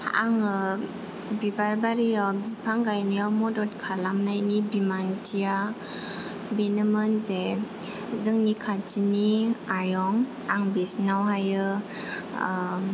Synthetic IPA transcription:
pʰaʔaŋɯ | bibaɾbaɾijawbipʰaŋɡajnijawmɔdɔt̚kʰalamnajnibimantʰija | benɯmɯnze | zɯŋnikʰat͡ʃiniajɔŋ | aŋbisnawɦajɯ

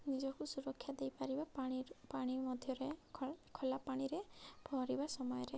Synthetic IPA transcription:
nid͡ʒɔkusuɾɔkʰːjad̪ejpaɾibaaɽ̃ipaɽ̃imɔd̪ʱjɔɾekʰɔlapaɽ̃iɾeb̥ʱɔɾibasɔmɔjɔɾe

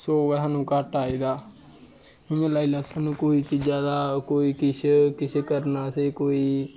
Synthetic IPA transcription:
soːʋəãːnũːkəʈaːiːd̪aː | ɪẽːlaːiːlaːsaːnũːkoːiːt͡ʃiːd͡ʒaːd̪aːkoːiːkɪskɪsʰeːkəɾnaːseːkoːiː

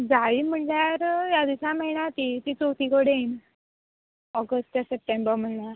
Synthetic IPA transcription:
d͡zaʋim̤əɳljaɾjad̪iɕaməɦinjat̪it̪it͡sowt̪iːkoɽeen | ɔɡəsʈʈ̪asəp̚ʈembəɾm̤əɳlaɾ

